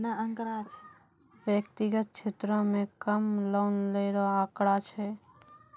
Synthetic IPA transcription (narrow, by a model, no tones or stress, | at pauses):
naə̃ŋkɽat͡ʃʰe | ʋjəkt̪iɡət̪̚t͡ʃʰet̪ɾəmẽkəmləwnləɾoakɽat͡ʃʰe